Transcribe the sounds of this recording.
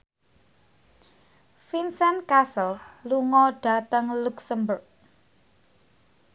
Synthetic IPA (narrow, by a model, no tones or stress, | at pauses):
finsənkasəlluŋɔɖ̥ä̤t̪əŋluksəmbʊrk̚